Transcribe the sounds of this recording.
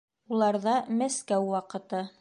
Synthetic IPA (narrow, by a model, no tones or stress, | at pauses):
ulˠɑɾðɑmæskæwːɑqɤ̆t̪ɤ